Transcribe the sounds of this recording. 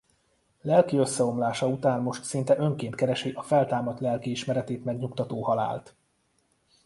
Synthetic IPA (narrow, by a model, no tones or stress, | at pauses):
lɛlkiø̞sːɛo̞mlaːʃɒut̪aːnmo̞ʃt̪sint̪ɛʔø̞ŋkeːnt̪̚kɛɾɛʃiʔɒfɛlt̪aːmɒt̪lɛlkiiʃmɛɾɛt̪eːt̪mɛɡɲukt̪ɒt̪oːhɒla̰ːlt̪